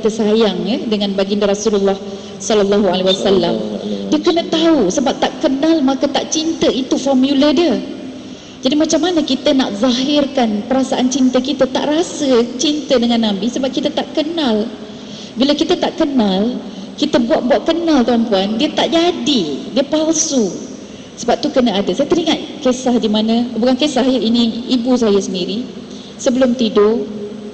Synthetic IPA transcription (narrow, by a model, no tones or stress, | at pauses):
t̪əsajaŋədəŋãnbaɡindəɾɔsululːɑh | sɔləlːaɦualewasalːamdiəkənət̪ausəbap̚t̪aʔkənalmakət̪aʔt͡ʃint̪əit̪ufɔrmjulədiə | d͡ʒadimat͡ʃamːanəkit̪əna̰ʔzˤaɦɪrkanpəɾasaʔant͡ʃint̪əkit̪ət̪a̰ʔrasət͡ʃint̪ədəŋanːãbisəbap̚kit̪ət̪aʔkənãl | bilakit̪ət̪aʔkənalkit̪əbuat̪̚buaʔ̪̚kənalt̪aampuandiət̪aʔd͡ʒadidiəpalsu | səbap̚t̪ukənəadəsajət̪əɾiŋat̪̚kesahdimãnə̃ubukankesahjəiniːbus̬ajəsəndiɾi | səbəlʊmt̪ido